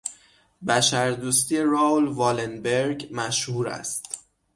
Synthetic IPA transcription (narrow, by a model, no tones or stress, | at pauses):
bæʃæɾd̪uːst̪iːe̞ɾɑːlvɒːlenbeɾɟmæʃhuːɾæ̰st̪